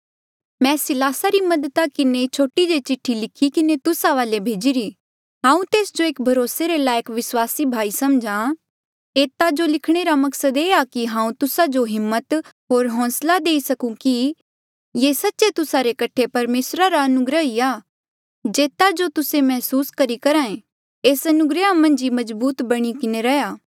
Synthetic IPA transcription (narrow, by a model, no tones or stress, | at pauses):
mɛ̃ːsɪlaːsaɾimɐd̪ət̪akɪnet͡ʃʰoːʈid͡ʒet͡ʃɪʈʰːilɪkʰikɪnet̪ʊsaʋaːlebʱeːd͡ʒiːɾiː | ɦãːũt̪eːsd͡ʒoeːkbʱɐɾoːseɾelaːjəkʋɪswaːsibʱaːisɐmd͡ʒã | eːt̪ad͡ʒolɪkʰɽ̃eːɾamɐksəd̪eːakiɦãːũt̪ʊsad͡ʒoɦɪmːət̪ | ɦoːɾɦɔ̃ːslad̪eːisɐkũki | jeːsɐtːʃet̪ʊsaɾekɐʈʰepɐɾmeːsɾaɾaɐnʊɡɾəɦiːaː | d͡ʒeːt̪ad͡ʒot̪ʊsemɛɦsuːskɐɾikɐɾãːẽ | eːsɐnʊɡɾəamɐ̃nd͡ʒimɐzbuːt̪bɐɽ̃ikɪneɾɐjaː